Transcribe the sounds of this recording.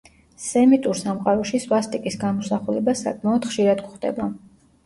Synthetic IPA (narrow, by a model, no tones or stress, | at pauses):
sɛmit̪ʼuɾsamqʼaɾɔʃisvast̪ʼikʼisɡamɔsaχulɛbasa̰kʼmaɔd̪̥χʃiɾad̪ɡχd̪ɛ̰ba